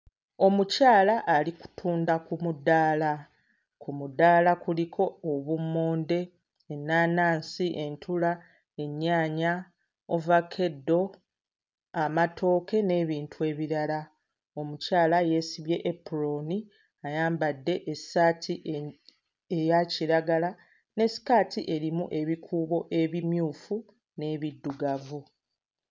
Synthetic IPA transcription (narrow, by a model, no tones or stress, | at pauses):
o̞mucaːlaʔːliku̥tʰuːndakumudaːla | kʰumudaːlakulikʰo̞ːβumoːnde̞ː | nːaːnaːnsiʔe̞ntʰula | e̞ɲːaːɲa | ovakʰe̞dːo̞ | amatʰo̞ːke̞ne̞ːβiːntʰue̞ːβiɾala | o̞mucaːlaje̞ːsiβje̞ʔepːuɾo̞ni | ajaːmbadːe̞ʔesaːtʰiʔe | ejaciɾaɡala | ne̞si̥kaːtiʔe̞ɾimuʔe̞βikʰuːβo̞ʔe̞βimjuːfu | ne̞ːβidːuɡavu